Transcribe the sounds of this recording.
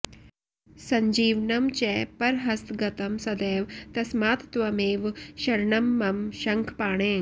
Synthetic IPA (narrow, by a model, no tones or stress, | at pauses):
sɐɲd͡ʒiːʋnɐmt͡ʃɛːpɐɾɦɐst̪ɡɐt̪ɐmsɐd̪eːʋt̪ɐsmaːt̪t̪ʋɐmeːʋʃɐɾɳɐmːɐmʃɐŋkʰpaːɳeːŋ